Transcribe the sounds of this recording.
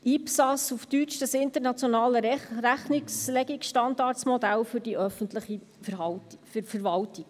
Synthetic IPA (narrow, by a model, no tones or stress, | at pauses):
ipsɑsuftyt͡ʃd̥əsɪntəɾnɑt͡sjonɑːləɾæχnikslɛɡikʃtɑndɑːɾtsmɔdælfʏrdiʔœfəntləχi | fɑffɛɾvɑltik